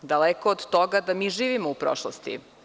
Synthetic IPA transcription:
d̪alekoːd̪t̪oɡad̪amiːʒiːʋimoupɾo̰ʃlˠost̪ḭ

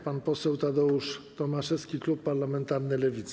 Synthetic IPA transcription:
panpɔsɛwt̪ad̪ɔuʂt̪ɔmaʂɛskʲiklupːaɾlamɛnt̪aɾnɘlɛvʲit̪s

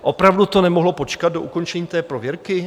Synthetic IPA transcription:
ʔo̞pɾavdut̪o̞nɛmoɦlopot͡ʃkad̪̚do̞ʔuko̞nt͡ʃɛɲiːt̪ɛːpɾovjɛɾkɪ

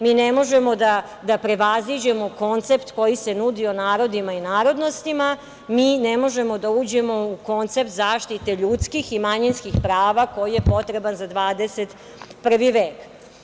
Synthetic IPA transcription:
miːnemo̞ʒe̞mo̞d̪a | d̪apɾe̞ʋazid͡ʑe̞mo̞ko̞nt̪se̞pt̪ko̞jise̞nud̪ionaːɾo̞d̪imainaːɾo̞d̪no̞st̪ima | miːnemo̞ʒe̞mo̞d̪auːd͡ʑe̞mo̞uko̞nt̪se̞p̚t̪zaːʃt̪it̪e̞ʎut̪skiximaɲinskixpɾaːʋako̞jijepo̞t̪ɾebanzad̪ʋaːd̪eset̪ | pr̩ʋiʋeːk

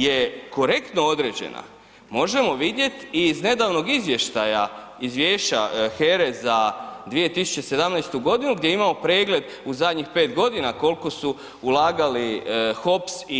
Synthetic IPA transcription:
jeko̞ɾe̞kt̪no̞od̪ɾeːd͡ʑḛna̰ | mo̞ʒe̞mo̞ʋid̪je̞t̪izne̞d̪aːʋno̞ɡizʋje̞ʃt̪aja | izʋjeːʃa̰xeɾezad̪ʋijet̪isu̥t͡ɕese̞d̪amnajst̪uɡo̞d̪inuɡd̪je̞imaːmo̞pɾeːɡle̞d̪ | uzad̪ɲixpe̞ːt̪ɡo̞d̪inako̞lko̞su | ulaːɡalixo̞psi

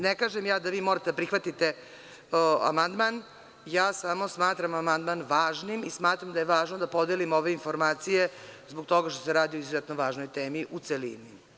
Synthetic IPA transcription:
nekaːʒemjaːd̪aʋiːmo̞ɾat̪ed̪apɾixʋat̪it̪e̞ | a̰mand̪man | jaːsamo̞smaːt̪ɾamamand̪manʋaːʒnimismaːt̪ɾamd̪aje̞ʋaːʒnod̪apo̞d̪elimo̞ʋe̞info̞ɾmaːt̪sije̞zboɡ̚t̪o̞ɡaʃt̪o̞seɾaːd̪ioizuzet̪noʋaːʒno̞jt̪eːmiʔut̪selḭni

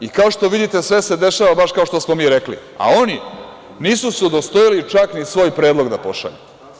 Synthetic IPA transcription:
ikao̞ʃt̪o̞ʋid̪it̪e̞sʋese̞d̪e̞ʃaʋabaʃkao̞ʃt̪osmomiːɾeklḭ | a̰oni | niːsusɛd̪ost̪ojilit͡ʃaknisʋo̞ːjpɾeːd̪lˠo̞ɡd̪apo̞ʃa̰ʎṵ

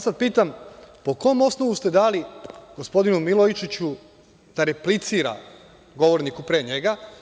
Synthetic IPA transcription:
sad̪̚piːt̪ampo̞koomo̞sno̞ʋust̪e̞d̪aːliɡ̥ospo̞d̪inumilˠojit͡ʃit͡ɕu | d̪̥aɾe̞plit̪siːɾa̰ | ɡo̞ʋoɾnikupɾeɲeɡa

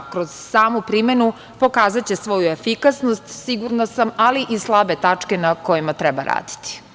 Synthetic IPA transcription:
kɾo̞z̥saːmopɾime̞nu | po̞kaːzat͡ɕe̞sʋo̞juefikasnost̪siɡuɾnasamaliʔislˠabe̞t̪at͡ʂke̞nako̞jimat̪ɾɛbaɾa̰ːd̪i̥t̪i̥

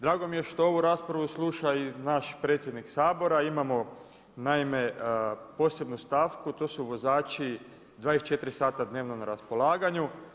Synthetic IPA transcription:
d̪ɾaːɡo̞mije̞ʃt̪oo̞ʋuɾaːspɾaʋuslˠuːʃainaʃpɾe̞ːt̪sʲjed̪niksaːbo̞ɾaimamo̞ | naime̞po̞ːse̞bnust̪aːfkut̪o̞ːsuʋo̞zaːt͡ʃi | d̪ʋaːit͡ʃe̞t̪ɾisaːt̪ad̪ne̞ːʋnonaɾaspo̞lˠaːɡaɲu

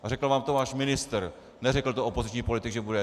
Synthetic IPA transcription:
ʔarɛkl̩vaːmt̪ovaːʃmɪnɪst̪ɾ | nɛrɛkl̩t̪oʔopozɪt͡ʃɲiːpo̞lɪt̪ɪkɡʒɛbudɛ

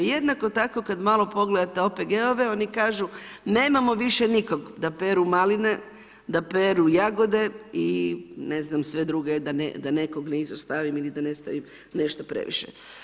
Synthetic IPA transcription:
jed̪nako̞t̪akokad̪malˠo̞po̞ɡle̞d̪at̪e̞o̞peɡeoʋeo̞nikaːʒu | ne̞ːmamo̞ʋiʃeniko̞ɡd̪apeɾumaline̞ | d̪apeɾujaɡo̞d̪e̞ine̞znamsʋe̞d̪ɾuɡed̪anḛd̪ane̞koɡneizost̪aʋimilid̪anest̪a̰ʋim | ne̞ʃt̪opɾḛʋḭʃḛ

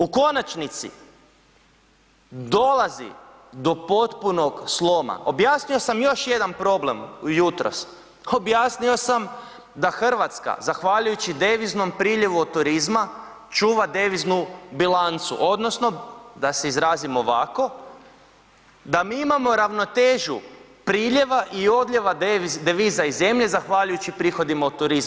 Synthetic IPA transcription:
uko̞nat͡ʃnit̪sḭ | d̪o̞lazḭ | d̪o̞po̞t̪puno̞ɡslˠo̞ma̰ʔo̞bjaːsnio̞samjo̞ʃje̞d̪anpɾo̞ble̞mujut̪ɾo̰s | o̞bjaːsnio̞sam | d̪axr̩ʋat̪ska̰zaxʋaʎujut͡ɕid̪e̞ʋizno̞mpɾiːʎeʋuot̪uɾizma | t͡ʃuːʋad̪e̞ʋiznubilant̪sṵʔo̞d̪no̞sno̞d̪aseizɾaːzimoʋaːko̞ | d̪amiimamo̞ɾaʋno̞t̪eːʒu | pɾiːʎe̞ʋaʔio̞d̪ʎʲeʋad̪eʋiːzaize̞mʎe̞zaxʋaːʎujut͡ɕipɾiːxo̞d̪imaut̪uɾizm

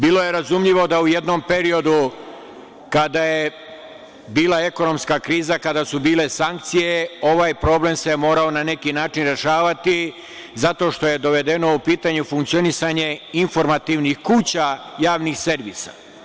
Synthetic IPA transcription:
biːlˠo̞je̞ɾazumʎiʋo̞d̪aujed̪no̞mpe̞ɾio̞d̪u | kad̪aje̞ | biːlˠae̞ko̞no̞mskakɾiːzakad̪asubiːle̞saŋk̚t̪sije̞o̞ʋaːjpɾo̞ble̞msemo̞ːɾao̞nane̞kinaːt͡ʃinɾe̞ʃaːʋat̪i | zat̪o̞ʃt̪o̞je̞d̪o̞ʋe̞d̪e̞no̞upiːt̪aɲufuŋk̚t̪sio̞nisaɲe̞info̞ɾmat̪iʋnixkuːt͡ɕajaːʋnixse̞ɾʋḭːsa̰

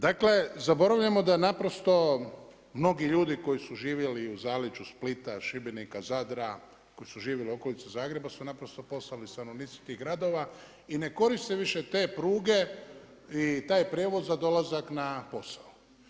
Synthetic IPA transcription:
d̪akle̞zabo̞ɾaʋʎamo̞d̪anapɾo̞st̪o̞ | mno̞ɡiʎuːd̪iko̞jisuʒiːʋjeliuzaːlit͡ʃusplit̪aʃibinikazad̪ɾa | ko̞jisuʒiːʋjelio̞ko̞lit̪ezaːɡɾe̞basunapɾo̞st̪o̞po̞slalist̪ano̞ʋnit̪si̥t̪iɣɡɾad̪o̞ʋa | ine̞ko̞ɾist̪eʋiʃe̞t̪e̞ːpɾuːɡe̞ | it̪aːjpɾʲjeʋo̞zzad̪o̞lazaknapo̞sau

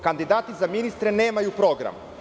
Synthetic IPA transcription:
kand̪id̪aːt̪izaminist̪ɾeneːmajupɾoɡɾa̰m

